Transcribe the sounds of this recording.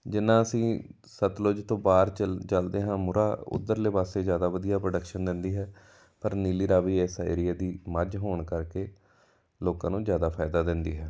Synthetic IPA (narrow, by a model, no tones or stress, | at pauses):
d͡ʒɪnːãːəsĩː | sət̪lod͡ʒt̪õːbaːɾt͡ʃəlt͡ʃəld̪eːɦãːmʊɾaːʊ̰d̪ːəɾleːbaːseːzjaːd̪aːʋəd̪ijaːpɾoːɖəkʃənd̪ɪ̃nd̪iːɦɛː | pəɾniːliːɾaːʋiːeːsḛːɾɪjaːd̪iːməd͡ʒɦoːɳkəɾkeː | loːkãːnũːzjaːd̪aːpʰaːɪd̪aːd̪ɪnd̪iːɦɛː